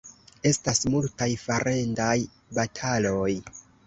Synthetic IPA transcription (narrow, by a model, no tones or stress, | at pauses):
e̞stasmultajfaɾʔe̞ndaj | batʰalo̞j